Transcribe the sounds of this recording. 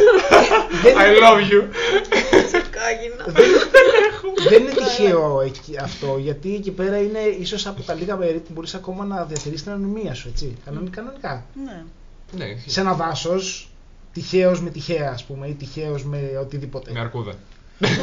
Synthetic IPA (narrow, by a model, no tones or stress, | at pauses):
ðenajlɐvju | skɐʝinɐðenexuðeninet̪içe̞oeciɐft̪o̞ʝɐt̪iecipe̞ɾɐine̞iso̞sɐpot̪ɐliɣɐpe̞ɾipubo̞ɾisɐko̞mɐnɐðiɐt̪iɾist̪inɐnonimiɐsue̞t͡sikɐnonikɐno̞nikɐne | nsenɐvɐso̞s | t̪içe̞o̞zme̞t̪içe̞ɐːspume̞it̪içe̞ozme̞o̞t̪iðipo̞t̪e̞mɐɾkuðɐ̰